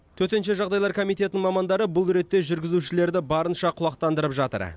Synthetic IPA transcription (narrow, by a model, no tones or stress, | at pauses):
t̪ʰɵt̪e̞nʃ̬e̞ʒɑʁd̪ɑjlˠɑɾkʰo̞mijt̪e̞t̪ɪnɪŋmɑmɑnd̪ɑɾəbʊlˠɾe̞t̪ːe̞ʒʏɾɡʲɪzuʃɪle̞ɾd̪ɪbɑɾənʃɑqʰʊlˠɑq̚t̪ɑnd̪əɾəpʒɑt̪ə̰ɾ